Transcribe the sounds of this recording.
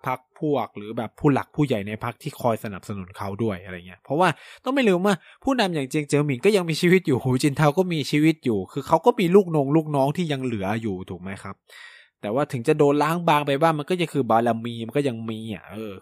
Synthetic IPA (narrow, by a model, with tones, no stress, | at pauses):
pʰa˦˥k̚pʰu˥˩ɐk̚ɾɯː˩˦bɛː˨˩pʰːuː˥˩la˨˩k̚pʰuː˥˩ja˨˩jna˧jpʰa˦˥k̚t̪ʰiː˥˩kʰɔː˧jsa˧na˨˩p̚sa˧nu˨˩˦nkʰa˦˥wdu˥˩əjʔa˧ɾa˧jŋi˦˥ɐpʰɾɔ˦˥waː˥˩t̪ɔ˥˩ŋma˥˩jlɯː˧mwaː˥˩ | pʰuː˥˩na˧mjaː˨˩ŋt͡ɕi˧ŋt͡ɕɤː˧mi˨˩˦ŋkɔː˥˩ja˧ŋmiː˧t͡ɕʰiː˧wi˦˥t̪̚juː˨˩hoː˨˦t͡ɕi˧nt̪ʰaː˧wkɔː˥˩miː˧t͡ɕʰiː˧wi˦˥t̪̚juː˨˩kʰɯː˧kʰa˦˥wkɔː˥˩miː˧luː˥˩k̚no˧ŋluː˥˩k̚nɔː˦˥ŋt̪ʰiː˥˩ja˧ŋlɯ˩˦ɐjuː˨˩t̪ʰuː˨˩k̚ma˦˥jkʰa˦˥p̚ | t̪ɛː˨˩waː˥˩t̪ʰɯ˩˦ŋt͡ɕa˨˩doː˧nlaː˦˥˩ŋbaː˧ŋpa˧jbaː˥˩ŋma˧nkɔː˥˩ja˧˩kʰɯː˧baː˧la˧mːiː˧ma˧nkɔ˥˩ja˧ŋmiː˧a̰˨˩ʔɤː˧